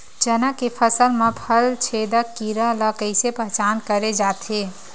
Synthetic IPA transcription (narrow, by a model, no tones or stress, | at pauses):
d͡ʒənakepʰəsəlmepʰəlt͡ʃʰed̪əkːiɾələkəɪsepəɦt͡ʃankəɾed͡ʒat̪ɦe